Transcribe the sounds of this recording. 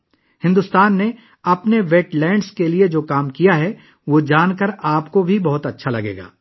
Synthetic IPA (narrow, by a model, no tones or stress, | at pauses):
hɪ̃nd̪ʊst̪aːnːe | ɐpneʋeːʈlɛ̃ːɳɖskelied͡ʒoːkaːmkijaɦɛ | ʋoːd͡ʒaːnkəɾaːpkobʱibɐɦʊt̪ɐtːʃʰalɐɡḛːɡa̰ː